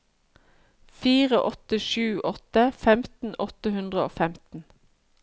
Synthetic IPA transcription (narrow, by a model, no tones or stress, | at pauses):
fiːʁəʔɔt̪əʃʉːʔɔt̪əfɛmt̪n̩ʔɔt̪əhʉnd̪ʁəo̰ːfɛmt̪n̩